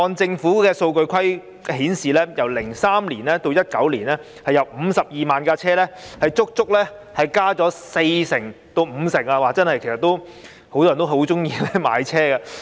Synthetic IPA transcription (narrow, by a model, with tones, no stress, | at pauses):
ɔː˧nt͡sɪ˧ŋfuː˨˥kɛː˧so˧wkɵ˧ɥkʷʰɐ˥j | ɦiː˨˥nsiː˨lɛː˥jɐ˨˩wlɪ˨˩ŋsaː˥mliː˨˩nlɛː˥t̪o˧wjɐ˥t̚kɐ˨˥wliː˨˩nɛː˥ | hɐ˨jɐ˨wm̩ː˨˧sɐ˨p̚jiː˨maː˨nkaː˧t͡ɕʰɛː˥lɛː˥hɐ˨jt͡sʊ˥k̚t͡sʊ˥k̚lɛː˥ | hɐ˨jkaː˥t͡ʃɔː˨˥se˧jsɪ˨˩ŋt̪o˧wm̩˨˧sɪ˨˩ŋaː˧waː˨˩t͡sɐ˥nhɐ˨jkʰe˨˩sɐ˨t̪ːo˥w | ho˨˥wt̪ɔː˥ɐ˨˩t̪o˥ɦo˨˥wt͡sʊ˥ŋjiː˧lɛ˥ma̰ː˨˧jt͡sʰɛː˥ɡa˧